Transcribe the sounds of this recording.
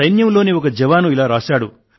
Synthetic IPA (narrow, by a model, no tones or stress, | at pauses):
ɐjnjɐmlo̞ːniɔkɐd͡ʒɛʋaːnuilaːɾaːʃaːɽu